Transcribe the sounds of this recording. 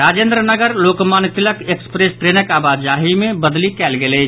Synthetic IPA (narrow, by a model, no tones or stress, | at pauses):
ɾaːd͡ʒẽːnd̪ɾənəɡəɾloːkmaːnt̪ɪləkekspɾeːspɾeːnəkaːbaːd̪d͡ʒaːɦimẽbɐd̪likɛːlɡeleː